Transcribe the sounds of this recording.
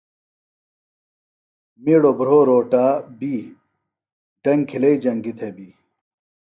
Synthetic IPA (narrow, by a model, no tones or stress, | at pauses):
miɽobɾoːɾoːʈaːbiː | ɖɐŋkʰilɐid͡ʑɐŋɡit̪ʰebiː